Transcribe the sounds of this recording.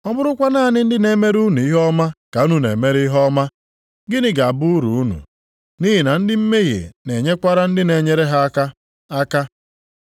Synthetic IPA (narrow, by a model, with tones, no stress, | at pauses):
ɔ˦mʊ˦ɾʊ˦kʷa˦naː˦˨nɪ˦n̩˦dɪ˦ne˨me˦ɾu˦nu˨i˦ɦɔ˦ma˦ka˨u˦nu˦nḛ˨me˦ɾi˦i˦ɦɔ˦ma˦ | ɡɪ˦nɪ˦ɡa˨a˨bʊ˦ɾṵ˨˦u˦nṵ˨ | ni˦ɦi˨na˨n̩˦dɪ˦m̩˦me˦ɣḛ˨ne˨ɲe˦kʷa˦ɾa˦n̩˦dɪ˦ne˨ɲe˦ɾe˦ɦa˦a˦ka˦ | a˦ka˦